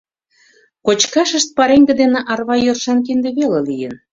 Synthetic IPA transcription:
kot͡ɕkɑʃəʃt̪̚pɑɾeŋɡə̆d̪enĕʔɑrβɑjørʃɑnk̬ind̪ĕβelelijən

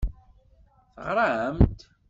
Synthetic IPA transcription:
θəʁɾˤahəmt̪

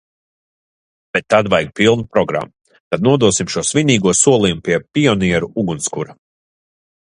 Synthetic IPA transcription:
b̥ɛt̪ːad̪vajɡ̚pilˠnupɾɔɡɾa̰mːu | t̪ad̪nuɔd̪uɔsimʃuɔsvʲinʲiːɡuɔsuɔlˠiːumpiɛpʲiɔnʲiɛɾuuɡunskuɾɐ

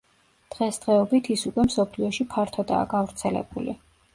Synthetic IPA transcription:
d̪̥ʁɛsd̪̥ʁɛɔbit̪ʰisukʼwɛmsɔpʰliɔʃipʰaɾt̪ʰɔd̪a̰ːɡavɾt̪sʰɛlɛ̰buli

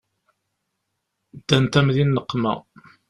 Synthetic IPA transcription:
d̪ːænt̪æmðinːəqːmæ̰

